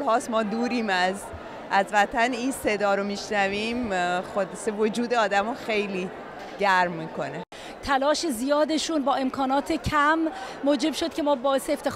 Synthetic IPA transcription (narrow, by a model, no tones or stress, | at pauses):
lhɒːsmɒːd̪uːɾiːmæz | ʔæzvæt̪ʰæninse̞d̪ɒːɾomiːʃnæviːmxod̪sevod͡ʒuːd̪eɒːd̪æmoxe̞jliː | ɟæɾmːiːkʰo̞ne | t̪ʰælɒːʃe̞zijɒːd̪e̞ʃuːnbɒːe̞mkʰɒːnɒːt̪ʰecʰæmː | oːd͡ʒe̞bʃo̞d̪̥̚cʰʲe̞mɒːbɒːeseːft̪ʰe̞